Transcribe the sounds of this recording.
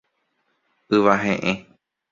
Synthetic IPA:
ɨʋaɦẽʔẽ

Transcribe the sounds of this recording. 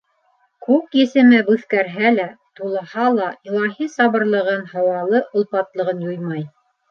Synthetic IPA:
kʉkjɘ̆sɘ̆mɘbʉθkæɾɦælæt̪ulˠɤ̆hɑlˠɑilˠɑɦisɑβɤ̆ɾlˠɤ̆ʁɤnhɑwɑlˠɤʔŏlˠpɑt̪lˠɤ̆ʁɤnjujmɑj

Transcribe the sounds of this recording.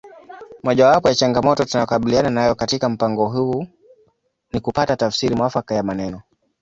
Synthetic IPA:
mɔʄawapɔjat͡ʃaŋɡamɔtɔtunajɔkaɓiliananajɔkatikam̩paŋɡɔɦu | nikupatatafsiɾimwafakajamanɛnɔ

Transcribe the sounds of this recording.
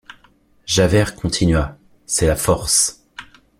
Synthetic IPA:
ʒavɛʁkʰɔ̃t̪ʰinɥa | sɛlafɔʁs

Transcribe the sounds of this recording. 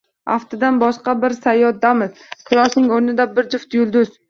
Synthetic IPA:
aft̪ʰɪd̪anbɒʃqɑbɪɾsajːɒt̪̚d̪amɪzqʰɨlˠɒsnɪŋoɾnɪd̪abɪɾd͡ʒɪft̪jʊlˠd̪ʊz

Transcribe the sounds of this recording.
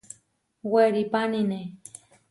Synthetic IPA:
weɾipanine

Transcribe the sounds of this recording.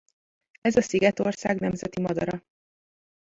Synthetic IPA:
ɛzɒsiɡɛt̪o̞rsaːɡnɛmzɛt̪imɒd̪ɒɾɒ

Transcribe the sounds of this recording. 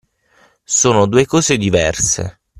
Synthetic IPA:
soːnod̪uːekɔːzed̪ivɛrsḛ

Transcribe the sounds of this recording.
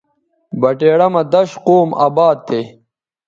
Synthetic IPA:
bɐʈeːɽɐmɐd̪ɐɕqoːma̰ːbaːd̪̚t̪ʰːe

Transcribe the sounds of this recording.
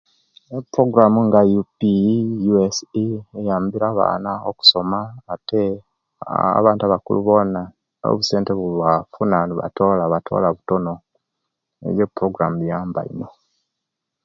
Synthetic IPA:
epɾo̞ɡuɾamuŋɡajupijuesiejaːmbiɾaβa̰ːnaoku̥so̞maːte | a̰βaːntuaβakṵluβo̞na | o̰βuse̞ːnteβuβafunaniβa̰to̞ːlaβatʰo̞̰laβuto̞no̞ | ḛɾjepuɾo̞ɡuɾamujaːmba̰ḭno̞

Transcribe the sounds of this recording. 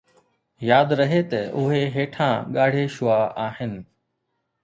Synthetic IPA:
jaːd̪ɾɐɦet̪ɐʊɦeɦeːʈʰãːɠaːɽ̤eʃʊaːaːɦɪnɪ̆

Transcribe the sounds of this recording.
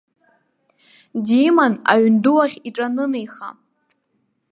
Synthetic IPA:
dimana̰ɥʏnduwaχʲiʈ͡ʂʼanɨnejχa̰

